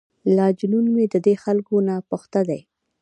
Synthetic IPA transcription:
lɑd͡ʒnunmed̪əd̪exalkonapʊxt̪ad̪aj

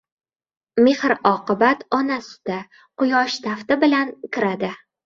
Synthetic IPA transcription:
me̞hɾɒqɨbat̪ɒnasɪ̥d̪a | qʊjɒʃt̪ʰaft̪ɪbɪlankʰʲɪɾad̪ɪ

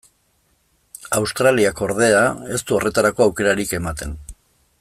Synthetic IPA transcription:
awst̪ɾaliako̞ɾð̞e̞ae̞st̪uo̞re̞t̪aɾako̞awke̞ɾaɾike̞mat̪e̞n

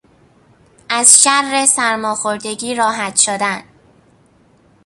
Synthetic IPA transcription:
ʔæzʃærːesæɾmɒːxoɾd̪e̞ɟiːɾɒːɦæt̪ʃod̪æn

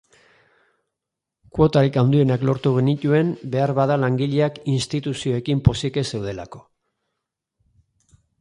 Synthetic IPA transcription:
kwo̞t̪aɾikawnd̪ie̞naklo̞ɾt̪uɣenit̪ue̞mbe̞aɾβaðalaŋɡiʎe̞akinst̪it̪usio̞e̞kimpo̞sike̞se̞wð̞e̞la̰ko̞̥

